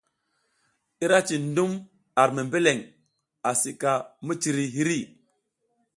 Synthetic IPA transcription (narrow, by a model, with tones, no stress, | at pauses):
i˦ɾa˦t͡ʃi˨ndu˦m | a˨ɾmi˨mbe˦le˨ŋ | a˨si˨ka˨mi˦t͡ʃi˨ɾi˨ɦi˦ɾi˦˨